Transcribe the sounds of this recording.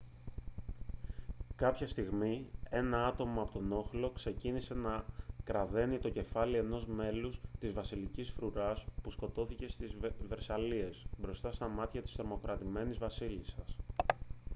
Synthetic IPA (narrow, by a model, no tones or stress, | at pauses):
kɐpçɐst̪iɣmie̞nɐɐt̪o̞mɐːpo̞t̪o̞no̞xlo̞kse̞cinise̞nɐkɾɐðe̞nit̪o̞ce̞fɐlie̞no̞zme̞lust̪izvɐsilicisfɾuɾɐspusko̞t̪o̞θice̞st̪izve̞ɾsɐlie̞sbɾo̞st̪ɐst̪ɐmɐt̪çɐt̪i̥st̪ɾo̞mo̞kɾɐt̪ime̞nizvɐsilisɐs